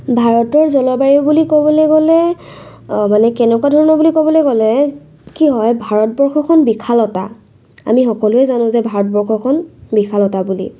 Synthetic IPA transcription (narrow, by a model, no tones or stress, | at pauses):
bʱaɹɔtɔɹzɔlɔbaɹibulikɔbɔleɡɔlɛ | manɛkɛnɛkwadʱɔɹɔnɔbulikɔbɔlojɡɔlɛ | kiɦɔjbʱaɹɔt̚bɔɹxʰɔkʰɔnbikʰalɔta̰ | a̰mixɔkɔlʊɛzanʊ̃zɛbʱaɹɔt̚bɔɹxʰɔkʰɔnbikʰalɔtabulḭ